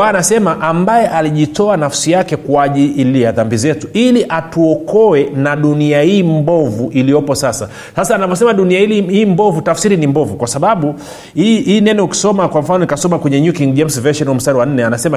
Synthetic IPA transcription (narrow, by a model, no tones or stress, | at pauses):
aanasɛmaʔambajɛʔaliʄitɔanafsijakɛkwaʄiːlijaðambizɛtuiliʔatuɔkɔwɛnaɗuniahiːmbɔvuʔilijɔpɔsasa | sasaːnavɔsɛmaɗuniahilihiːmbɔvutafsiɾinimbɔvukwasaɓaɓu | hiiːnɛnɔuki̥sɔmakwaɱ̩fanɔnikasɔmakwɛɲɛɲukiŋɡd͡ʒɛmsvɛʃɔnwam̩staɾiwan̩nːɛanasɛma